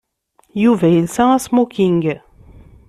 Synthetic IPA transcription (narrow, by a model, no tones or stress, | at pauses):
juvæjilsæ̃æsmukiŋɡ